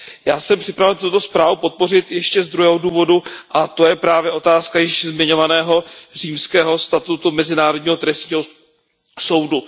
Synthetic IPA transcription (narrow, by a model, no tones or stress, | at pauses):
jaːsɛmpr̥ɪpɾavɛnt̪ut̪o̞spɾaːvupo̞t̪̚po̞rɪt̪jɛʃcɛzd̪ɾuɦɛːɦo̞duːvo̞duʔat̪o̞jɛpɾaːvjɛʔo̞t̪aːskajɪʃzmɪɲo̞vanɛːɦo̞r̝iːmskɛːɦo̞st̪at̪ut̪umɛzɪnaːɾodɲiːɦo̞t̪ɾɛst̪ɲiːɦo | so̞wdu